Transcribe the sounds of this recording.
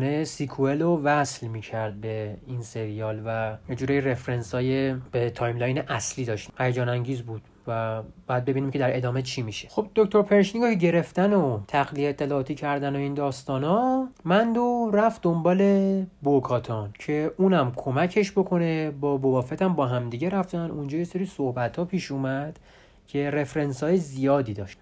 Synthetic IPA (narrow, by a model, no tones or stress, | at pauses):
nesikʰuelovæslmiːcʰæɾd̪̚be̞inse̞ɾijɒːlvæjed͡ʒuːɾɒːjire̞fɾensɒːjeb̥et̪ʰɒːjmlɒːjneʔæsliːd̪ɒːʃt̪hæjed͡ʒɒːnæŋɟiːzbuːd̪̥ | væbæd̪̚be̞biniːmcʰe̞d̪æɾe̞d̪ɒːme̞t͡ʃʰimiʃexo̞bd̪okt̪o̞ɾpʰeɾeʃniɡokeɟe̞ɾe̞ft̪ænot̪ʰæɣlieet̪ʰːelɒːt̪ʰiːcʰæɾd̪ænoiːnd̪ɒːst̪ɒːnɒmænd̪oræfd̪ombɒːle̞bokʰɒːt̪ʰɒncʰe̞uːnæmkʰo̞mæcʰe̞ʃbokʰo̞ne̞bɒːbovɒːfet̪ʰæmbɒːɦæmd̪iːɟeɾæft̪ænund͡ʒɒːjeseɾiːsohbæt̪ʰhɒːpʰiːʃuːmæd̪̥ | cʰe̞ɾe̞fɾensɒːjezijɒːd̪iːd̪ɒ̰ːʃt̪